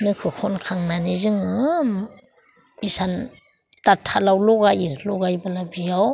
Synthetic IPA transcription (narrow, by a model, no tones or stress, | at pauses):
nɯkʰɯkʰɔnkʰaŋnanizɯŋɯm | isan | tatʰːalawlɔɡajɯlɔɡajbalabijaw